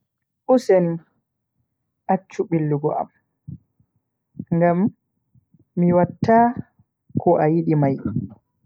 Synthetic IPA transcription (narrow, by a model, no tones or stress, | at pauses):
ʔusɛn | ʔat͡ʃːuɓilːuɡɔʔa̰m | ŋɡam | iwatːaː | kɔʔajiɗimaj